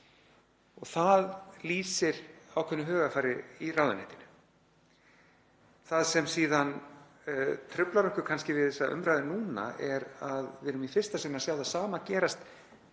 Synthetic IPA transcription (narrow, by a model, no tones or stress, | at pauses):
ɔɣθaðliːsɪɾawkʰvɛnːʏɦœːɣafaːjɾɪiraːwðʏnɛht̪ɪnʏ̥ | θaðsɛmsiːðan | t̪ʰɾʏplaɾɔhkʏ̥kʰanscɪvɪðɛsːaʔʏ̰mɾajðɪnuːna̰ɛɾaðvɪɾʏmifɪr̥st̪asɪnasjawðasaːmacɛːɾast̪